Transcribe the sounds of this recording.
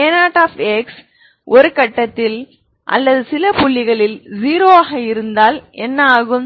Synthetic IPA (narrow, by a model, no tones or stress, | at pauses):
enaːʈːaːfɛks | ʔɔɾɯkɐʈːɐt̪ːɪl | ʔɐ̰lːɐðɯsɪlɐpʊɭːɪɣɐɭɪld͡ʒiːɾoːaːɣɐɪɾɯnd̪aːlɛnːɐaːɣɯm